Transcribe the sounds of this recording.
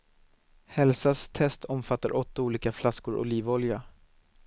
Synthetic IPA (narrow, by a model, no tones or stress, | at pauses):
hɛlsast̪ʰɛst̪ʰɔmfat̪ːaɾʔɔt̪ːauːliːkaflaskʊɾʔʊ̰liːvɔlja